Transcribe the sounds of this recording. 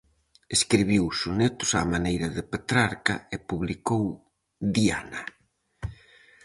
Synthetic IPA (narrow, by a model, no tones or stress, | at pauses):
eskɾiβ̞iwsunet̪ʊ̥samanejɾɐðɪpet̪ɾaɾka̰ɪpuβlikow | ðia̰na